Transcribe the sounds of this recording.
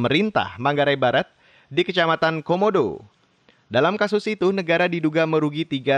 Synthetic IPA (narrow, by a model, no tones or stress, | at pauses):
məɾint̪a̰hmaŋɡaɾajbaɾat̪̚ | dikət͡ʃamat̪ankomodo̰ | dalamkasʊsit̪unəɡaɾadiduɡaməɾuɡit̪iɡa